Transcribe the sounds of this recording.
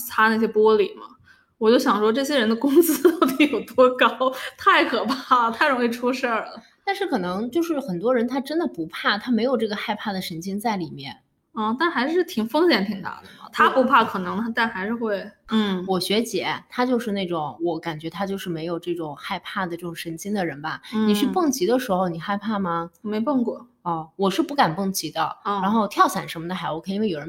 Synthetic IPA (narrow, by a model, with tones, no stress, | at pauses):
t͡sʰa˥na˥˩ɕ̬jɛ˥pwɔ˥li˨˩mɐ̰˦ | wɔ˨˩t͡ɕjo˥˩ʊɕjɑ˨˩ŋʂwɔ˥ʈ͡ʂɤ˥˩ɕ̬jɛ˥ɻə˧˥nd̪ə˧kʊ˥ŋsɹ̩˥t̪ɑ˥˩ʊt̪i˧˩jo˨˩ʊt̪wɔ˥kɑ˥ʊt̪ʰa˥˩ɪkʰɤ˨˩pʰa˥a˩t̪ʰa˥˩ɪɻʊ˧˥ŋi˥˩ʈ͡ʂʰu˥ʂə˥˩t̪a˥˧nʂɻ̩˥˩kʰɤ˨˩nɤ˧˥ŋt͡ɕjo˥˧ʊʂɻ̩˥˩xə˨˩nt̪̬wɔ˥ɻə˧˥nt̪ʰa˥ʈ͡ʂə˥nd̪ə˨pu˧˥pʰa˥˩t̪ʰa˥me˧˥ɪjo˨˩ʊʈ͡ʂɤ˥˩ɡə˩xa˥˧ɪpʰa˥˩d̪ə˩ʂə˧˥nt͡ɕʰi˥ŋt͡sa˥˩ɪli˨˩mjɛ̰˥˩n | ɔ˥˩t̪a˥˩nxa˧˥ɪʂɻ̩˥˩t̪ʰi˨˩ŋfɤ˥ŋɕjɛ˧˥˩nt̪ʰi˨˩ŋt̪a̰˥˩d̪ə̰˩t̪ʰa˥pu˧˥pʰa˥˩kʰɤ˨˩nɤ˧˥ŋ˥t̪a˥˩nxa˧˥ɪʂɻ̩˥˧xwe˥˩ɪn̩˥˩wɔ˨˩ɕɥɛ˧˥t͡ɕjɛ˨˧˥t̪ʰa˥t͡ɕjo˥˧ʊʂɻ̩˥˧ne˥˩ɪʈ͡ʂʊ˧˩˦ŋwɔ˧˥ka˨˩nt͡ɕɥɛ˧˥t̪ʰa˥t͡ɕjo˥˧ʊʂɻ̩˥˩me˧˥ɪjo˨˩ʊʈ͡ʂɤ˥˩ʈ͡ʂʊ˨˩ŋxa˥˧ɪpʰa˥˩d̪ə˩ʈ͡ʂɤ˥˩ʈ͡ʂʊ˨˩ŋʂə˧˥nt͡ɕi˥ŋd̪ə˨ɻə˧˥nbɐ˧ni˨ʂy˥˧pɤ˥˩ŋt͡ɕi˧˥d̪ə˧ʂɻ̩˧˥xo˧ʊni˨˩xa˥˧ɪpʰa˥˩mɐ˩me˧˥ɪpɤ˥˧ŋkwɔ˥˩ | ɔ˥˩wɔ˨˩ʂɻ̩˥˧pu˥˩ka˨˩npɤ˥˩ŋt͡ɕi˧˥d̪ə̰˧ɻa˧˥nxo˥˧ʊt̪ʰjɑ˥˩ʊɕa˨˩nʂə˧˥mə˧d̪ə˧xa˧˥wu˧˩kʰjo˨˩ɻə˧˦